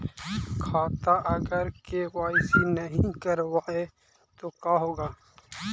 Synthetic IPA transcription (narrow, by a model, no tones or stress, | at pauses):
kʰaːt̪aʔəɡəɾkewaːɪsinəɦĩkəɾwaːe | t̪okaɦoːɡaː